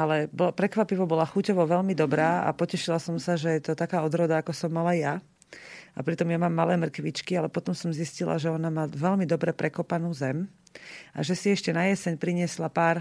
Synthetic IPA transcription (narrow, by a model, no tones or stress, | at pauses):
alɛbɔpɾɛkʋapiʋɔbɔlaxucɔʋɔʋɛlmid̪ɔbɾaːa̰pɔcɛʃilasɔmsaʒɛjɛt̪ɔt̪akaːɔd̪ɾɔd̪aakɔsɔmːalaja | a̰pɾit̪ɔmjamaːmːalɛːmr̩kʋit͡ʃkialɛpɔt̪ɔmsɔmziscila̰ʒɛɔnamaːʋɛʎmid̪ɔbɾɛpɾɛkɔpanuːzɛm | ʔa̰ʒɛsiɛʃcɛnajɛsɛɲpɾiɲɪɛslapaːɾ